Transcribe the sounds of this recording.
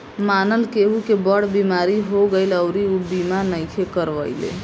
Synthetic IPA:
manəlkeɦukebəɽbimaɾiɦoɡəɪləwɾiubimanəjkʰekəɾʋəɪlḛ

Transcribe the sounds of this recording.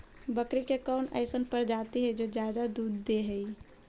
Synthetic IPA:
bəkɾikekɔːnɛ̰ːsənpəɾd͡ʒaːt̪iɦɛd͡ʒoːd͡ʒjaːd̪ad̪uːd̪ːeɦɛi

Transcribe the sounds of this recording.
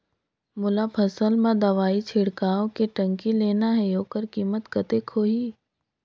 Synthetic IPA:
mʊlapʰɐsəlmãd̪ɐʋaːit͡ʃʰɪɽkaːõkeʈɐ̃ŋkileːnaɦɛjoːkəɾkiːmət̪kɐt̪ekʰoːɦiː

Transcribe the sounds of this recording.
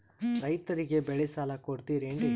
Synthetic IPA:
ɾɐjt̪ɐɾiɡe̞bɛɭesaːlɐkoɾt̪iɾeɳɖi

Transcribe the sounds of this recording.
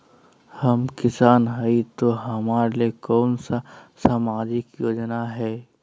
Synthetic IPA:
hɐmkɪsaːnɦəit̪oɦɐmaːɾelekɔːnsasaːmaːd͡ʒɪkjoːd͡ʒnaɦɛː

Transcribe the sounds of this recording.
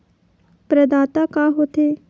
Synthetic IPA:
pɾəd̪aːt̪akaːɦoːt̪ʰeː

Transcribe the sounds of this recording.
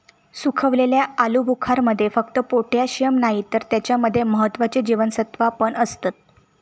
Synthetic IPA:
sukʰəʋleljaalubʱukʰaɾməd̪ʱːjefəkt̪əpoʈʰjaɕjəmnaɦit̪əɾt̪jat͡ɕjaməd̪ʱːjeməɦət̪ːʋat͡ɕed͡ʑiʋənsət̪ʋapəɳəst̪at̪̚

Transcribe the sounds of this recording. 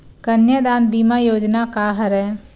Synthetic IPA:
kɐnjəd̪aːnbiːmajoːd͡ʒnakaɦɐɾɛː

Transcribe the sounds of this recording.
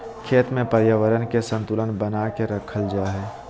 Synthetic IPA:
kʰeːt̪mẽpəɾjaʋəɾənkesə̃nt̪ʊlənbənakeɾəkʰəld͡ʒaːɦɛː

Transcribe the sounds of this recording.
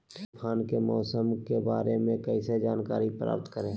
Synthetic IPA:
pʰaːnkemɔːsəmkebaːɾemẽkɐised͡ʒaːnkaːɾipɾa̰ːp̚t̪kəɾẽː

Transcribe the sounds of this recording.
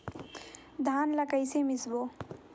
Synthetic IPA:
d̪ʱaːnləkəjsemisbo

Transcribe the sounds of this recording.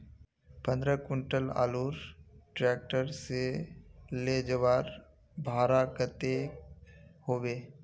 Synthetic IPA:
pə̃nd̪ɾəkʊɳʈəla̰ːluːɾʈɾɛːk̚ʈəɾse | leːd͡ʒəʋaːɾ | bʱaːɾakət̪e | hoːbeː

